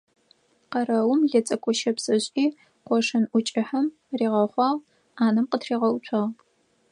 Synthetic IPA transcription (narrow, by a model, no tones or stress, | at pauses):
qɐrɐwʊmɮɐt͡sʼɐkʷʼʊʃɐpsʼɐɕʼiː | qʷɔʂɐnʔʷʊt͡ʃʼɪħɐm | riːʁɐχʷɑːʁ | aːnɐmqətʰriːʁɐʊt͡ɕʷʰɑːʁ